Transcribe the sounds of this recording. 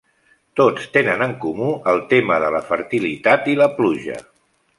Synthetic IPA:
t̪ot͡st̪enənəŋkumuəlˠt̪eməðələfəɾt̪ilit̪at̪iləpluʒə̰

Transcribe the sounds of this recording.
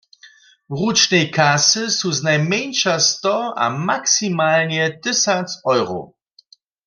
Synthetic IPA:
ʁut͡ʃnejkʰasəsuznajmɛnʃastɔa̰maksimaːlnjɛdɪsat͡sɔjʁo̰ʊ

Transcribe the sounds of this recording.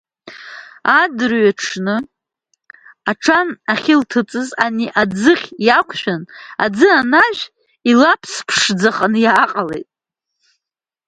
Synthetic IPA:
adɨrɥaʈ͡ʂʰnɨ | aʈ͡ʂʰanaχʲɪltʰɨt͡sʼɨzaniʔad͡zɨχʲjakʷʰʃᶣana̰d͡zɨanaʒʷᶣ | ilapʰspʰʂd͡zaχanjaːqʼalḛjtʼ

